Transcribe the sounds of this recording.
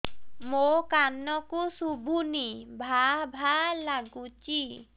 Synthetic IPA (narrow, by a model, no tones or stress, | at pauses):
mokanːɔkusubʱunibʱabʱalaɡut͡ɕi